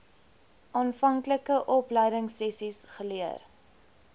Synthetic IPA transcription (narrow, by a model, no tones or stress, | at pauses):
ʔɑːnfɐŋkləkəʔɔpləjdəŋsɛsisχəliər